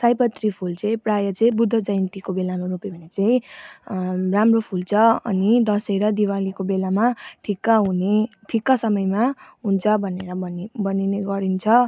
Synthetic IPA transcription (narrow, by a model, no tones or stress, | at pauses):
sajpʌt̪ripʰult͡sʌĩprajʌt͡sʌ̃ĩbud̪ʱːʌd͡zʌjnt̪ikobelamaɾupibʱʌnet͡saĩ | ramropʰult͡sʰʌʌ̰nid̪ʌsejɾʌd̪iwalikobelamaʈʰikːaɦuneʈʰikːasʌmʌjmaɦunt͡sʰʌbʱʌneɾʌbʌnbʌnineɡʌɾint͡sʰʌ